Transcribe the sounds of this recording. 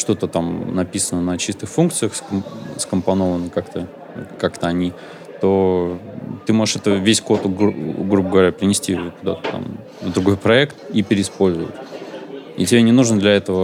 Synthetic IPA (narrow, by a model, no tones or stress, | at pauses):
ʂt̪o̞t̪ət̪amnɐpʲisənənət͡ɕist̪ɨxfunk̚t̪sɨjəxsskəmpɐno̞vənəkakt̪ə | kakt̪əɐnʲi | t̪o̞ | t̪ɨmo̞ʐɨʂɛt̪əvʲesʲko̞t̪ɡɾubəɡəvɐɾʲapɾʲɪnʲɪsʲtʲikʊd̪a̰t̪ə̥t̪a̰m | vd̪ɾʊɡo̞jpɾɐɛkt̪̚ipʲɪɾʲɪɪspo̞lʲzʊ̰ə̰tʲ | ḭtʲɪbʲenʲɪnuʐnəd̪lʲɐɛt̪əvə